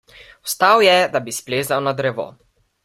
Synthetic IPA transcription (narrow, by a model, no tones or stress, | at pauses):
wst̪awjɛd̪abispleːzawnad̪ɾɛʋo̰